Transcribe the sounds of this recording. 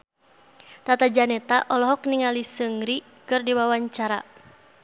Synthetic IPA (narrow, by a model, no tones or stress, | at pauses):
t̪at̪ad͡ʒanɛt̪aʔɔlɔɦɔkniŋalisəŋɾi | kɨrdiwawaɲt͡ʃaɾa̰